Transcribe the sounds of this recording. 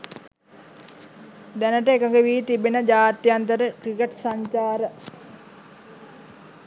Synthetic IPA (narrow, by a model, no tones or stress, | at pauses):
d̪ænəʈəekəkeʋiːt̪ibenəd͡ʒaːt̪jant̪əɾəkɾikeʈsaɲt͡ʃaːɾə